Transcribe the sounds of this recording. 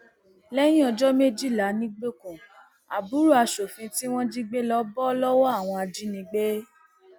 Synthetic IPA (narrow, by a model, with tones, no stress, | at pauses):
lɛ˦j̃ĩ˦ɔ˧d͡ʒɔ˦me˦d͡ʒi˦˨la˨˦nĩ˦ɡ͡be˦kũ˨ | a˨bu˨˦ɾu˦a˧ʃo˨fĩ˧ti˦w̃ɔ̃˦d͡ʒi˦ɡ͡be˦lɔ˦bɔ˦lɔ˦wɔ˦a˦˨w̃ɔ̃˧a˨d͡ʒi˨˦nĩ˧ɡ͡be˦